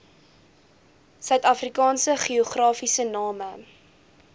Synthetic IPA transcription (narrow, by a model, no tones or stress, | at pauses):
sœɥtɐfrikɑːnsəχioχrɑːfisənɑːmə